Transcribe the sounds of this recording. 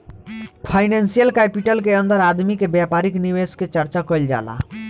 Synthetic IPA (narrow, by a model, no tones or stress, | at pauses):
pʰaɪnẽnsijəlkɛpiʈəlkeənd̪əɾad̪mikebjapaɾikniʋesket͡ʃəɾt͡ʃakɔjld͡ʒa̰ːla̰